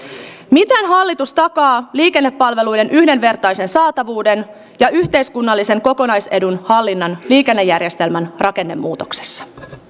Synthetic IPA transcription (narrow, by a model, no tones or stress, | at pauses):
mit̪ænɦɑlːit̪ust̪ɑkɑːliːke̞nːepːɑlʋe̞lujde̞nʔyhde̞nʋe̞rt̪ɑjse̞nsɑːt̪ɑʋuːde̞n | jɑʔyht̪e̞jskunːɑlːise̞ŋko̞ko̞nɑjse̞dunhɑlːinːɑnliːke̞nːejːærje̞st̪e̞lmænrʔɑke̞nːemːuːt̪o̞̥kse̥sːɑ̥